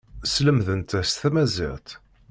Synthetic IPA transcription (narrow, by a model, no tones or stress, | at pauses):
sləmðənt̪æst̪θæmæzḭʁt̪